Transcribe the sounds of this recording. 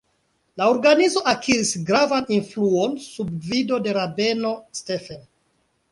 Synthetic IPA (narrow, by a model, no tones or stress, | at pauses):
lao̞ɾɡanizo̞ʔakʰiɾisɡɾavaninfluo̞nsubvido̞de̞ɾabe̞no̞ste̞fen